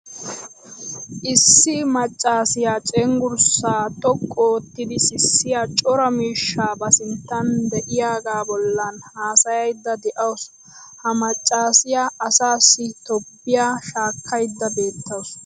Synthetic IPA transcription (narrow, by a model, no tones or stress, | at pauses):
ʔɪsːɪmɐt͡ʃʼːaːsɪjaːt͡ʃʼɛŋɡʊɾsːaːt̪ʼɔkʼːoːt̪ːɪd̪ɪsɪsːɪjat͡ʃʼɔɾɐmiːʃːaːbɐsɪnt̪ːɐnd̪ɛʔɪjaːɡaːbɔlːɐnhaːsɐjɐjd̪ːɐd̪ɛʔɐws | hɐmɐt͡ʃʼːaːsɪjaːɐsaːsːɪt̪ɔpːɪjaːʃaːkʰːɐjd̪ːɐbe̞ːt̪ːɐws